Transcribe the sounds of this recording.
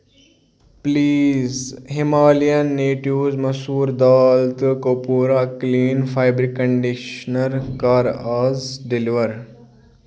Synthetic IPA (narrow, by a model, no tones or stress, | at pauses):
pliːzɦimaːlijɐnːeːʈiwzmɐsuːɾd̪aːlt̪kopuːɾakliːnfajbɾikəɳɖiʃnɐɾkaːɾaːzɖiliʋəɾ